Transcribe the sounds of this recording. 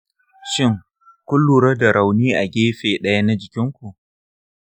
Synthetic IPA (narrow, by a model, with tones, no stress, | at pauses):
ʃɪ˦˨ŋ | kʷʊ˦lːuː˨ɾɐ˦da˨ɾa˨wniː˦ʔa˨ɡʲeː˦ɸeː˨ɗɐ˦ja˦na˦d͡ʒɪ˨kʲɪ˦ŋkʷu˨ʔ